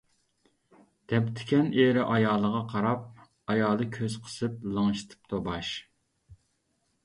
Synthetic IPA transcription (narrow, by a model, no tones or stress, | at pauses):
d̪̥ɛpt̪ʰɪ̥kʲɛneɾɪʔɑjɑːlˠəʁɑqʰɑɾɑp̚ | ɑjɑːlˠɨkʲʰøz̥qʰə̥sɨp̚lˠəŋʃt̪ʰɨ̥p̚t̪ʰobɑʃ